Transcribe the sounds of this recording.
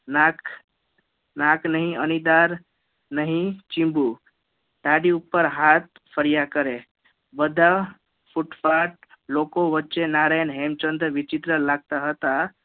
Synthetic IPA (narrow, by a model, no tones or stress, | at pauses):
nak | naknəɦĩənid̪aɾ | nəɦĩt͡ʃĩmbu | ɖaɽiupːəɾɦat̪ | pʰəɾijakəɾe | bəd̪ʱa | fʰuʈfaʈ̚ | lokoʋətːt͡ʃenaɾajənɦemt͡ʃə̃nd̪ɾəʋɪt͡ʃit̪ɾəlaɡ̚t̪aɦət̪a